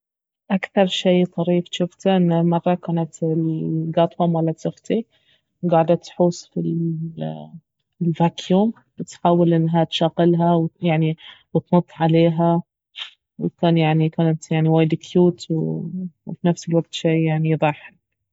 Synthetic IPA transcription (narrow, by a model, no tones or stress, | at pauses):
ʔakθɑɾˤʃiːt̪ˤɑɾiːfʃʊft̪aʔɪnːamɑrˤːɑkaːnat̪ɪlɡɑːt̪ˤhʊmwalːatsʊxt̪i | ɡaːʕd̪at̪ːħuːsfil | lvakʰjuːm | bɪt̪ħaːwɪlʔɪnːɦat̪ʃaːɣɪlɦawjaʕniwt̪nɑt̪ˤːʕaleːɦa | wɪkaːnjaʕnikaːnat̪jaʕniwaːjɪd̪ɪkʰjuːt̪wwfinafsɪlwaɡ̚t̪ʃeːjaʕniðˤɑːħal